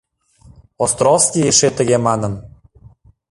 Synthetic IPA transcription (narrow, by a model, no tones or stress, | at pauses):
ost̪ɾolskʲieʃet̪ə̆ɣemɑnə̆n